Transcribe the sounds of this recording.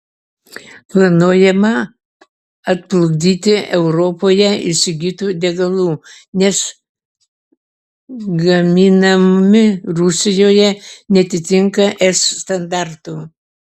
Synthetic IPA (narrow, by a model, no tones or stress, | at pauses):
plˠɐnuɔjɛmɐ | ɐt̪̚plˠʊɡd̪ʲiːt̪ʲɪʔɛʊɾopoːjɛɪʃsʲɪɡʲiːt̪uːd̪ʲɛɡɐlˠuː | nʲɛs | ɡɐmʲiːnɐmʲɪɾʊsʲɪjoːjɛnʲɛɐt̪ʲɪt̪ʲɪŋkɐʔɛsːt̪ɐnd̪ɑɾt̪uː